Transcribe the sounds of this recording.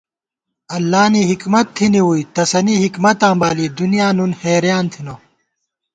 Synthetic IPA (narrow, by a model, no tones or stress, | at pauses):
ɐlːaːniɦikmɐt̪ʰːiniwuit̪ɐsɐniɦikmɐt̪ãːmbaːlid̪unijaːnunheːɾjaːnt̪ʰino